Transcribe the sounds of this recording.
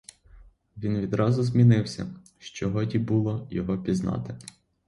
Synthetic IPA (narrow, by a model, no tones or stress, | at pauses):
ʋʲinʋʲid̪ɾɑzʊzmʲinɪwsʲɐ̰ | ʃt͡ʃɔɦɔtʲibulˠɔjɔɦɔpʲiznɑ̰t̪ɪ